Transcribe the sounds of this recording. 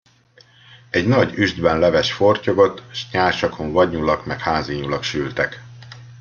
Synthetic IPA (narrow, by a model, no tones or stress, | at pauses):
ɛɟnɒɟyʒd̪bɛnlɛvɛʃfo̞rcoɡo̞t̪ʃɲaːrʃɒkʰo̞ɱvɒɟɲulɒkmɛkhaːziːɲulɒkʃylt̪ɛk